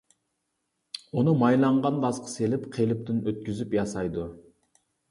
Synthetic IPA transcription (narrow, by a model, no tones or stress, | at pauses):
unumɑjlˠɑɴʁɑnb̪ɑsqʰə̥selɪpqʰelɪp̚t̪ɪnøt̪̚kʲyzypjɑsɑjd̪u